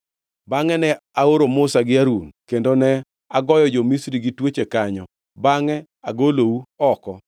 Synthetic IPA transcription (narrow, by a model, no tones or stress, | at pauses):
baŋɛnɛaoɾomʊsaɡɪaɾunkendonɛ | aɡɔjɔd͡ʒomisɾiɡitwet͡ʃekaɲɔ | baŋɛ | aɡolouɔkɔ